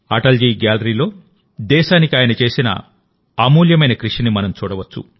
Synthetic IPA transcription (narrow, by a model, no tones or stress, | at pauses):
ɐʈɐld͡ʒiːɡaːlɐɾiːlo̞ː | d̪ɛːʃaːnikiaːjɐnɐt͡ʃe̞ːsinɐ̰ | aːmuːljɐmɐjnɐkɾiʂinimɐnɐmt͡ʃuːɽɐʋɐt͡ʃːṵ